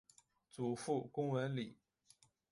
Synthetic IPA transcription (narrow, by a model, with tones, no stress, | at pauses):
t͡su˨˩fu˥˩kʊ˥ŋwə˧˥nli˨˩˦